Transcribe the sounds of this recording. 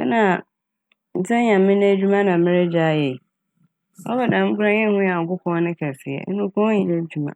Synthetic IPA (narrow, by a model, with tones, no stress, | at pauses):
ɛ˦nã˨ | n̩˨t͡sʰɛ̃˦ɲã˨m̩˦mɪ̃˦ne˦d͡ʑᶣu˦mã˦nã˨mɪ̃˦ɾe˦d͡ʑa˦jɛ˨ | ɔ̰˦bɔ˨dã˨m̩˦kʊ˦ɾã˦ɲɛ̃˦hʊ̃˦ja˨ŋ̩˨kʊ˦kʰɔ̃˦ɔ˦nɪ̃˦kʰɛ˨sɪ˨ɛ̰˨ɛ˦nʊ̃˦kɔ̃˦ɲĩ˨nẽ˦d͡ʑᶣu˦mã̰˨